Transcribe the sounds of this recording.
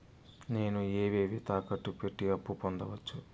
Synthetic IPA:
ne̞ːnueːʋeːʋit̪aːkɐʈːupeʈːiɐpːupond̪ɐʋɐt͡ʃːu

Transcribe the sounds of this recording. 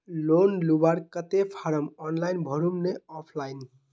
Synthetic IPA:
lonlubaɾkət̪epʰaɾəmɔnlajnbʱəɾumneɔpʰlaɪn

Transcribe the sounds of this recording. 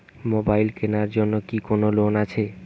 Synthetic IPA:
mobajlkenaɾd͡ʑonːokikonolonat͡ɕʰe

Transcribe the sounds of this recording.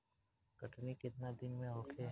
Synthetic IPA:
kəʈʰniket̪nad̪ɪnmẽɦokʰe

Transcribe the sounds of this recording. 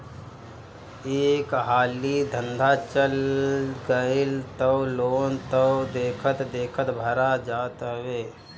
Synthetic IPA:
eːkɦaːlid̪ʱə̃nd̪ʱat͡ʃəlɡəilt̪əwloːnt̪əd̪eːkʰət̪d̪eːkʰət̪bʱəɾad͡ʒaːt̪ɦweː

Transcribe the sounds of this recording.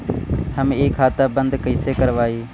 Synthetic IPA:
həmeːkʰaːt̪aːbənd̪kəiːseːkəɾʋaːiː

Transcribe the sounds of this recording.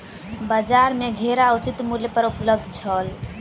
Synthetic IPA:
bəd͡ʒaɾmeɡʱeɾaut͡ʃit̪mulepəɾupləb̚d̪ʱt͡ʃʰəl

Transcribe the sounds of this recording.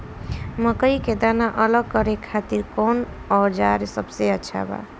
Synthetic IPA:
məkəjked̪anaʔələɡ̚kʌɾekʰat̪iɾkon | ɔd͡ʒaɾsəbseəːt͡ʃʰa̰ba̰

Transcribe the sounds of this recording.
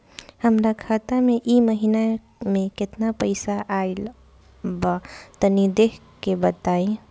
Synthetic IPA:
həmɾakʰat̪amẽʔiməɦina | mẽkɪt̪napəɪsaʔail | bat̪ənid̪ekʰ | kebət̪aĩ

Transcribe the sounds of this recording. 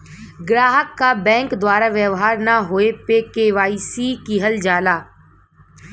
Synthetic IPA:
ɡɾaːɦəkːabɛ̃ːŋkd̪waːɾaʋjəʋɦaːɾnaɦoːepekeːʋaːisikiɦəld͡ʒaːlaː

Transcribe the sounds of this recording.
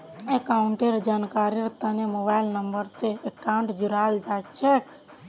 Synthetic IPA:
ekaɳʈeɾd͡ʒankaɾiɾt̪ənemobailnəmbəɾseekawɳʈd͡ʒuɾald͡ʒat͡ʃʰek

